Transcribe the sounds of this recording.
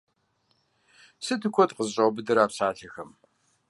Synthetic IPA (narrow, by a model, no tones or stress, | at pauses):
sɨtʰɨkʷʰɔtqəzɕʼɐwbɨdɨɾaːpɕaːɬɐxɐm